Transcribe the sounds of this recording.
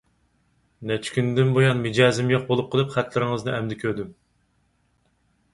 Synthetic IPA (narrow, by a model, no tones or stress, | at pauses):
nɛt͡ʃʰkʲynd̪ɪnbojɑnmɪd͡ʒɑːzɪmjoq̚bolˠup̚qʰəlˠɨpχæt̪ʰlɪɾɪŋɨznɨʔɛmd̪ɪkʲʰøɾd̪ym